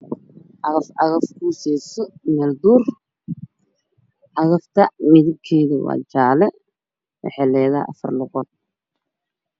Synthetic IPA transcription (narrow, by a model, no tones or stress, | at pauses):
ʔɑɣɐfɑɣɐfkʰuːsɛsɔmɛːld̪uːr | ʔɑɣɐft̪ʰɐmɪðɪb̚kʰɛːðɪwɑ̰ːt͡ʃaːlɛ | wɑ̰ħɛlɛːðɐʔɐ̰fɐ̰rlʊɣɔd̪̚